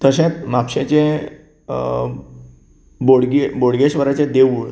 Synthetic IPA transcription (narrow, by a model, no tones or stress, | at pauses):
t̪əɕẽt̪mapɕẽt͡ɕẽ | boɽɡeboɽɡeɕʋəɾat͡ɕẽd̪eʋuɭ